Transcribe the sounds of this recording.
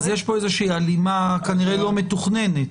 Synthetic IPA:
zjeʃpo̞ezeʃiːalimakaniʁelo̞me̞tuχnenet

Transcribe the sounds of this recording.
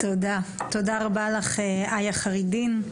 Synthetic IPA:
t̪odat̪odaʁabalaχeajaχaʁidin

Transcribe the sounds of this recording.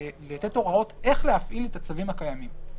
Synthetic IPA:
let̪eto̞ʁao̞t̪e̞χleafʔilet̪at͡savimhakajamim

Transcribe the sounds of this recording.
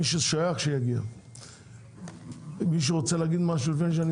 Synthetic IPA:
iʃeʃajaχʃejaɡia̰ | miʃ̬eʁot͡seleaɡid̪maʃulifenʃ̬eani

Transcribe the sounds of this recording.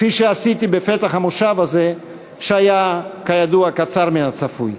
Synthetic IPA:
fiʃeasit̪ibefe̞t̪aχhamoʃavaze | ʃeajakajad̪uakat͡saʁminat͡safuj

